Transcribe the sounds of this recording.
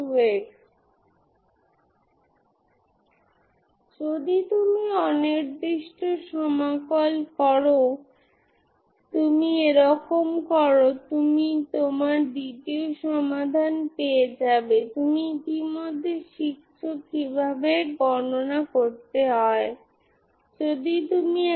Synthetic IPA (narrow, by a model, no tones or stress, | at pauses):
ueʈ | d͡ʑod̪it̪umiɔniɾd̪iʃʈoʃɔmakolkɔɾo | t̪umieɾɔkomkɔɾot̪umit̪omaɾɖ̪iʈioʃɔmad̪ʱanpeed͡ʑabet̪umiit̪imod̪ʱːeʃikɕʃʰokibʱabeɾɡɔnonakoɾt̪eɦɔe | d͡ʑod̪it̪umi